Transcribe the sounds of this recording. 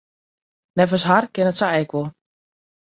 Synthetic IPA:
nɛfəsɦarkɪnətsaɛkʋɔlˠ

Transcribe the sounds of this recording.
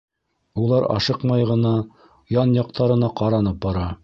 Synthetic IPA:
ulˠɑɾɑ̰ʃɤqmɑjʁɤ̆nɑ | jɑnjɑq̚t̪ɑɾɤ̆nɑqɑɾɑnɤp̚bɑɾɑ

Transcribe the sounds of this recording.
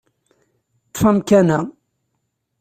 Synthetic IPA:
t̪famkænæ

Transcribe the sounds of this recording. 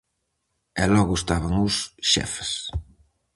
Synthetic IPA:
ɛlɔɣʊest̪aβaŋʊsʃɛ̰fe̥s

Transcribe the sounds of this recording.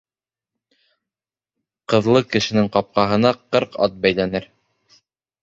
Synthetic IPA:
qɤ̆ðlˠɤkɘ̆ʃɘ̆nɘŋqɑp̚qɑɦɤ̆nɑqɤɾqɑ̰t̪̚bæjlænɘɾ

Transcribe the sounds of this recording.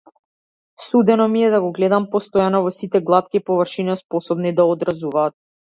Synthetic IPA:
sud̪ɛnɔmiɛd̪aɡɔɡlɛd̪ampɔst̪ɔjanɔvɔsit̪ɛɡlˠat̪kipɔvrʃinaspɔsɔbnid̪aɔd̪ɾazuvaːt̪̚

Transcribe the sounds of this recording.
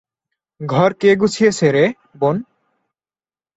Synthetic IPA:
ɡʱɔɾkeɡut͡ɕʰijesʰeɾe | bon

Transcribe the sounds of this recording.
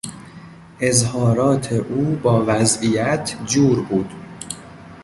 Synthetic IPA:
ʔezhɒːɾɒːt̪ʰeʔuːbɒːvæzʔijæt̪ʰd͡ʒuːɾbuːd̪̥

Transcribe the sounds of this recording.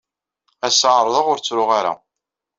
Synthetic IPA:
æsaʕɾˤðˤəʁʊɾt͡sːɾʊʁaɾa̰

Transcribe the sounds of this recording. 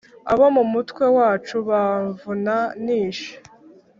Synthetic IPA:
aβo̞mumutkwe̞waːt͡ʃuβaɱvunaniːʃe̥

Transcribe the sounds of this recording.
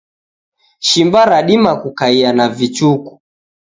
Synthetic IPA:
ʃimbaɾaɗimakukaianavit͡ʃuku̥

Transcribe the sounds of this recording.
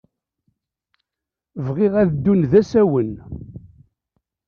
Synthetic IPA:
vʁɪʁæðəd̪ːunðæsæwən

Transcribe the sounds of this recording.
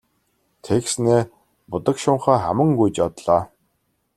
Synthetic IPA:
t̪ʰeksneː | pʊt̪ə̆kʃʊɴχaːχa̰mə̆ŋɡujt͡ɕɔt̪ɮ̥aː

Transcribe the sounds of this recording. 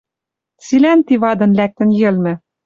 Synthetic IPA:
t͡silænt̪iβɑd̪ɤ̆nlæk̚t̪ɘ̆njɘ̆lmɘ̆

